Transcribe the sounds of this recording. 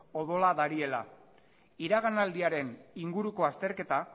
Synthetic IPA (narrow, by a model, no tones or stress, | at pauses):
o̞ðo̞laðaɾie̞la | iɾaɣ̞anald̪iaɾe̞niŋɡuɾuko̞ast̪e̞ɾke̞t̪a